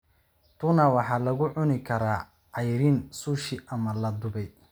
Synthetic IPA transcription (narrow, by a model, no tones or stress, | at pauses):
t̪ʰunawɑħɑːlɐɣʊʕʊnɪkʰɐɾaː | ʕɑjɾɪnsuːʃɪʔɐmɐlɐd̪ʊβɛj